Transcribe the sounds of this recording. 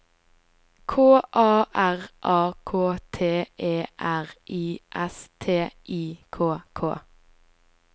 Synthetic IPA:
kʰoːʔɑːʔæʁʔɑːkʰoːt̪ʰeːʔeːʔæʁʔiːʔɛst̪ʰeːʔiːkʰoːkʰo̰ː

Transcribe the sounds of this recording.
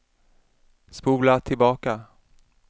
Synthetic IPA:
spuːlat̪ʰɪlbɑːka

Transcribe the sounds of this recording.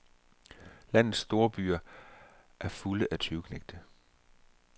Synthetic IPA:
læn̰ð̩ˠsːd̥o̝ːɐb̥y̰ːɐ | ʔæɐfuləʔæt͡sʰyʊkʰneɡ̥̚d̥ə

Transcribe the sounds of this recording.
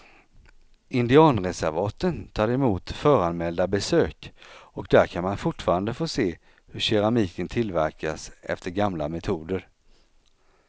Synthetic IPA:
ʔɪnd̪ɪɑːnɾɛsæɾvɑːt̪ənt̪ʰɑːɾɛmuːt̪fœːɾanmɛld̪abɛsøːkɔkd̪æɾkʰanmanfʊʈfɑːɾand̪əfoːseː | hɵɕɛɾamiːkənt̪ʰɪlvæɾkasɛ̰ft̪əɾɡamla̰mɛt̪ʰuːd̪əɾ

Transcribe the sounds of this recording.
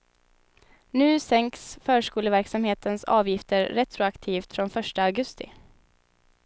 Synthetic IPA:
nʉ̟ːsɛŋksfœːʂkuːləvæɾksamheːt̪ənsɑ̰ːvjɪft̪əɾɾɛt̪ɾʊakt̪ʰiːft̪fɾɔnfœʂʈəaɡɵst̪ɪ̰

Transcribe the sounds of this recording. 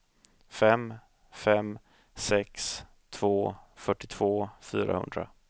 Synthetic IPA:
fɛm | fɛm | sɛks | t̪ʰvoːfœʈːɪt̪ʰv̥oːfy̰ːɾa̰hɵ̰nd̪ɾa̰

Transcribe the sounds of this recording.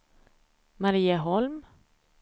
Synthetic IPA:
maɾiːəɦɔlm

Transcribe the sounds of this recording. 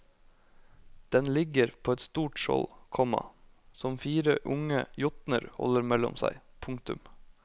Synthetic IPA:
d̪̥ɛnlɪɡəɾpʰoːɛt̪st̪uːʈʃɔ̰lkʰɔmɑ̰ | sɔmfiːɾəʔʊŋə̰jʊt̪nəɾhɔ̰ləɾmɛlɔ̰msæ̰ɪpʰʊŋkt̪ʉm

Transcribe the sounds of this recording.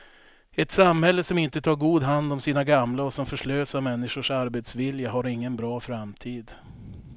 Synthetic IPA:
ɛt̪samhɛlːəsɔmɪnt̪ət̪ʰɑːɾɡuːd̪ɦand̪ɔmsiːnaɡamlaɔsɔmfœʂɭøːsamɛnːɪʂʊʂaɾbet̪svɪljaɦaɾɪŋːənbɾɑːfɾamt̪ʰiːd̪

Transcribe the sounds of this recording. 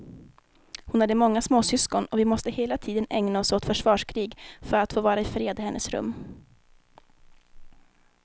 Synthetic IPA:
hʊnhad̪ːəmɔŋːasmoːsʏskɔnɔvɪmɔst̪əheːlat̪ʰiːd̪ənɛŋnaɔsoːt̪fœʂvɑːʂkʰɾiːɡfœɾat̪foːvɑːɾaɪfɾeːd̪əhɛnːʔə̰sɾɵ̰mː

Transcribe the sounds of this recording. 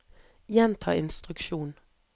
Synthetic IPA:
jɛnt̪ʰɑ̰ːɪnst̪ʁʉkʃuːn

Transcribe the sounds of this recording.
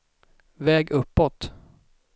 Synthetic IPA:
vɛːɡɵpːɔt̪

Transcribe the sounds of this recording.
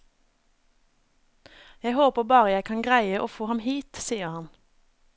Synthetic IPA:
jæɪhoːpəʁbɑːʁəjæɪkʰɑŋɡʁæɪəʔoːfoːhɑmhiːt̪siːəʁhɑn

